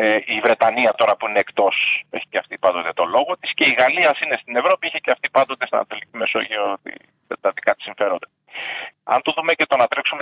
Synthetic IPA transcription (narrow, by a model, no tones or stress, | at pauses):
eivɾe̞t̪ɐniɐt̪o̞ɾɐpuineːkt̪o̞se̞çi̥ceɐft̪ipɐnd̪o̞t̪et̪o̞lo̞ɣo̞t̪isce̞iɣɐliɐsine̞st̪ine̞vɾo̞pieçeceɐft̪ipɐnd̪o̞t̪eseɐ̰n̰ɐt̪o̞licime̞so̞ʝiot̪ḭ | t̪ɐðikɐt̪i̥siɱfe̞ɾo̞nd̪e̥ | ɐ̰nt̪uðumece̞t̪o̞nɐt̪ɾeksume